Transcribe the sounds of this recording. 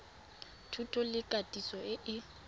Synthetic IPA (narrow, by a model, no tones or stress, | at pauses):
tʰutʼɔlɪkʼatʼisɔɪʔɪ